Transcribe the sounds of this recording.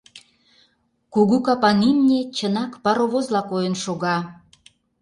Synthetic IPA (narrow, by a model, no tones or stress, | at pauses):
kuɣukɑpɑnimnʲet͡ɕənɑkpɑɾoβozlɑkojənʃoɣɑ